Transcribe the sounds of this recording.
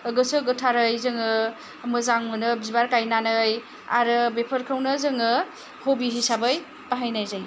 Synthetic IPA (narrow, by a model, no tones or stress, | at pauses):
ɯɡɯsɯɡɯtʰaɾɯjzɯŋɯ | mɯzaŋmɯnɯbizbaɾkajnanɯj | a̰ɾɯbepʰɯɾkʰɯwnɯzɯŋɯ | hobiɦisabɯj | paɦajnajzaj